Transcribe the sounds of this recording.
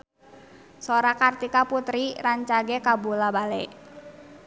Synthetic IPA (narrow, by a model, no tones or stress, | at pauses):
soɾakart̪ikaput̪ɾiraɲt͡ʃaɡɛkabulabalɛ̰ʔ